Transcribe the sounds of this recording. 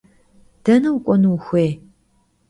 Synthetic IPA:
d̥ɐnɨwkʷʼɔnɨwxʷeː

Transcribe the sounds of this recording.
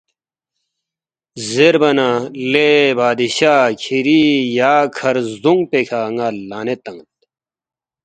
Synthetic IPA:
zeɾbɐnalebaːd̪iɕaːkʰiɾijaːkʰɐɾzd̪uŋpekʰaŋalaːnet̪ɐŋt̪

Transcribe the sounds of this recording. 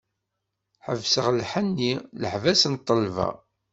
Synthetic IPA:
ħəvsəʁlħənːiləħvæsənt̪ˤːəlvæ̰

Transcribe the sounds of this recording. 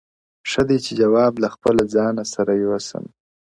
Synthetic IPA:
ʂəd̪et͡ʃed͡ʒawɑblaxpəlad͡zɑnasaɾajewasə̰m

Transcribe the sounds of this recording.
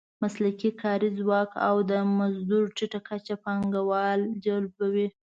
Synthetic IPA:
maslakikʰɑɾizwɑka̰wd̪əmazd̪uɾʈiʈakat͡ʃapɑŋɡawɑld͡ʒalbawi

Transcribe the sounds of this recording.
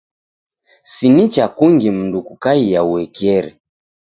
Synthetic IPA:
sinit͡ʃakuŋɡim̩ndukukaijauwɛkiɛɾɛ

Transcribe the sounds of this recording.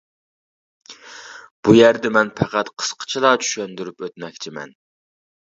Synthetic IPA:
b̥ujæɾd̪ɛmɛnpʰɛqæt̪qʰə̥sqʰə̥t͡ʃʰilˠɑt͡ʃʰy̥ʃønd̪yɾypøt̪mɛkʲt͡ʃʰimɛ̰n

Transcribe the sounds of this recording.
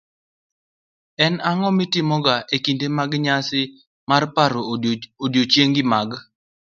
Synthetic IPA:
ɛnaŋɔmɪtɪmɔɡaʔekindemaɡɲasɪ | marpaɾoodjot͡ʃjeŋɡɪmaɡ

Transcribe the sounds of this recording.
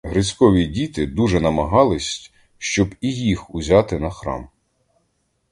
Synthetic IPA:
ɦɾɪsʲkɔʋʲidʲit̪ɪd̪uʒɛnɐmɐɦɑlˠɪsʲtʲ | ʃt͡ʃɔbijixuzʲɑt̪ɪnɐxɾɑ̰m

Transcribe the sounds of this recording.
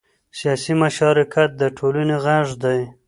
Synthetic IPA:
sijɑsimaʃɑɾɪkʰat̪̚d̪əʈʰolaneɣaʐd̪aj

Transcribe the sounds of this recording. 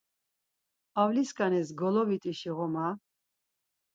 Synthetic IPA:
avliskʼanɛsɡɔlɔvit̪ʼiʃiʁɔma

